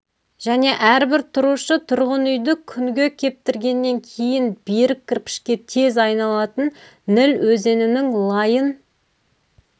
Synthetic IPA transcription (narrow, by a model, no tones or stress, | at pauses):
ʒ̥æne̞ʔæɾbɪɾt̪ʰʊɾuʃət̪ʰʊɾʁənʏjd̪ɪkʲʰʏŋɡʲe̞kʲʰe̞p̚t̪ɪɾɡʲe̞nːe̞ŋkʲʰe̞jɪnb̥eɾɪk̚ʲʰːɪɾpɪ̥ʃkʲe̞t̪ʰe̞zɑjnɑlˠɑt̪ənː | ɪlwɵze̞nɪnɪŋlˠɑjən